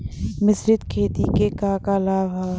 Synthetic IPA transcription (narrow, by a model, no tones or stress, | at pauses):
mɪsɾɪd̪kʰeːt̪ikekaːkalaːba